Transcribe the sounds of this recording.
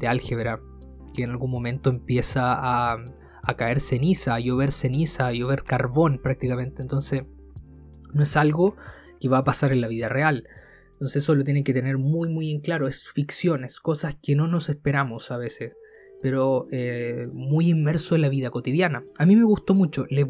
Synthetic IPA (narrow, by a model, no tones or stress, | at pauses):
d̪̥ealxeβeɾa | keːnalɣunmo̞mẽ̞nt̪oempje̞saː | kae̞ɾse̞nisajoβe̞ɾse̞nisajoβeɾkaɾβo̞npɾak̚t̪ikamẽ̞nt̪eːnt̪o̞nses | noesalɣo̞ | keβaːpasaɾenlaβiðareal | nt̪o̞nseesolot̪̬je̞neke̞t̪e̞ne̞ɾmujmuje̞ŋklaɾo̞e̞sfiksjo̞ne̞sko̞saskeno̞no̞sespe̞ɾamosaβe̞ses | pe̞ɾoemujimme̞ɾsoenlaβiðako̞t̪iðjanaamime̞ɣust̪o̞mut͡ʃo̞le